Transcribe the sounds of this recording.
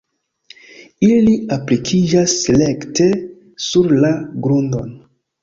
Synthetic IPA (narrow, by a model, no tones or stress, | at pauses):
iliaplikʰid͡ʒasːele̞ktʰe̞ | suɾlaɡɾundo̞n